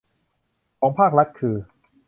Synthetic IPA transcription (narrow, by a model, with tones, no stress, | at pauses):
kʰɔː˩˦ŋpʰaː˥˩k̚ɾa˦˥t̪̚kʰɯː˧